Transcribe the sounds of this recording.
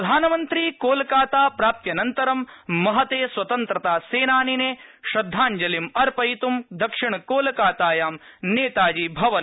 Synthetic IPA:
ɐd̪ʱaːnɐmɐnt̪ɾiːkoːlɐkaːt̪aːpɾaːp̚t̪jɐnɐnt̪ɐɾɐmːɐɦɐt̪eːswɐt̪ɐnt̪ɾɐt̪aːseːnaːnineːʃɾɐd̪ʱːaːɲd͡ʒɐlimɐɾpɐjit̪umd̪ɐkʂiɳɐkoːlɐkaːt̪aːjaːmneːt̪aːd͡ʒiːbʱɐʋɐ

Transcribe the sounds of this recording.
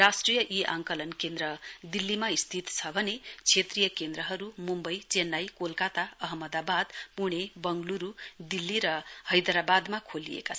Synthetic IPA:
rasʈrijʌʔiʔa̰ŋkʌlʌnkend̪ɾʌd̪ilːimaist̪ʰit̪t͡sʰʌbʱʌnet͡sʰet̪rijʌkend̪ɾʌɦʌɾumumbʌjt͡senːajkolkat̪aʌɦʌmːʌd̪abad̪puɽ̃ebʌŋɡluɾud̪ilːiɾʌhʌjd̪ɾabad̪makʰolḭḛkat͡sʰʌ

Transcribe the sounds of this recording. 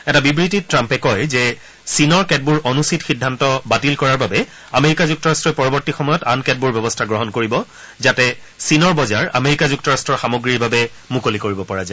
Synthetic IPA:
ɛtabibɹititɹampɛkɔjzɛ | sinɔɹkɛt̚buɹʔonusitxidʱːantɔbatilkɔɹaɹbabɛ | ameɹikazuk̚tɔɹastɹɔpɔɹɔbɔtixɔmɔjɔtankɛt̚buɹbjɔbɔstʰaɡɹɔɦɔnkoɹibɔ | zatɛ | sinɔɹbɔzaɹa̰meɹikazuk̚tɔɹastɹɔɹxamoɡɹiɹbabɛ | mukolikoɹibɔpɔɹaza

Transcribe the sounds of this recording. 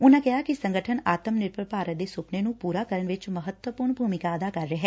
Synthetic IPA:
ʊnãːkɪɦaːkɪsə̃ŋɡəʈʰənaːt̪əmnɪɾpəɾpaːɾət̪̚d̪eːsʊpneːnũːpuːɾaːkəɾəɳʋɪt͡ʃməɦət̪wəpʊɾɳbʱuːmɪkaːəd̪aːkəɾːeɦɛː

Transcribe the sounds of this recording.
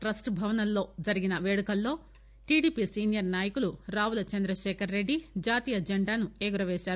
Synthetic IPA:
ʈɾɐsʈbʱɐʋɐnɐlːo̞ːd͡ʒɐɾiɡinɐʋeːɽukɐlːo̞ː | ʈiːɖiːpisiːnjɐɾnaːjɐkuluɾaːwulɐt͡ʃɐnd̪ɾɐʃeːkʰɐɾːe̞ɖːid͡ʒaːt̪iːjɐd͡ʒeɳɖaːnuɛːɡuɾɐʋeːʃaːɾu

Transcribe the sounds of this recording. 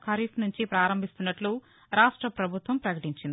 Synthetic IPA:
kʰɐɾifnuɲt͡ʃipɾaːɾɐmbʱist̪unːɐʈlu | ɾaːʂʈɾɐpɾɐbʱut̪ʋɐmpɾɐkɐʈiɲt͡ʃind̪i

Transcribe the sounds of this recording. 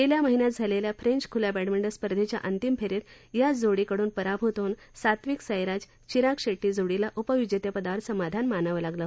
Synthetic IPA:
t̪eljaməɦinjat̪̚d͡zʱaleljafɾeɲt͡ɕkʰulabɛɽmeɳɖəɾspəɾd̪ʱet͡ɕja̰ʔənt̪impʰeɾet̪ | jad͡zoɽikəɽuːnpəɾabʱut̪on | sat̪ʋiksəjɾad͡z | t͡ɕiɾakʂeʈːiːd͡zoɽilaʔupəʋid͡ʑjət̪jəpəd̪aʋəɾsəmad̪ʱanmanaʋəlaɡla

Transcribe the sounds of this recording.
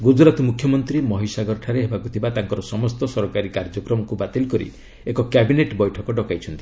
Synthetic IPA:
ɡud͡ʒɾat̪ɔmukʰjɔmɔnt̪ɾimɔɦisaɡɔɾɔʈʰaɾeɦebakut̪ʰibat̪aŋkɔɾɔsɔmɔst̪ɔsɔɾkaɾikaɾd͡ʒɔkɾɔmɔkubat̪ilkɔɾḭ | ekɔkjabineʈbɔjʈʰɔkɔɖɔkajt͡ʃʰɔnt̪i

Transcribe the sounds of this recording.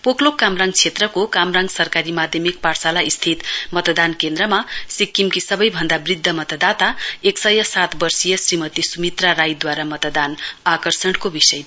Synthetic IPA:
poklokːamraŋɡt͡sʰet̪rʌkokamraŋɡsʌrkaɾimad̪ʱjʌmik̚parsalaist̪ʰit̪mʌt̪d̪ankend̪rʌmasikːimkisʌbʌjbʱʌnd̪abrid̪ʱːʌmʌt̪ʌd̪at̪aeksʌjʌsat̪ʰbʌrsijʌsrimʌt̪isumit̪raɾajd̪waɾamʌt̪d̪anakʌrsʌɽ̃kobisʌj

